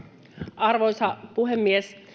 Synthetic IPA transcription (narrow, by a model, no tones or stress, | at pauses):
ɑrʋojsɑpuɦemːies